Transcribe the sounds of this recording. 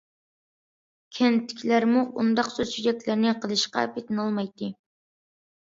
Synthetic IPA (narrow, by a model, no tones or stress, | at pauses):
kʲʰɛnt̪ʰːɪ̥kʲʰlæɾmuʔund̪ɑqsøʃyd͡ʒɛkʲlæɾnɪqʰəlˠɨʃqɑ̰pʰet̪ɪnɑlˠmɑjt̪ʰːɨ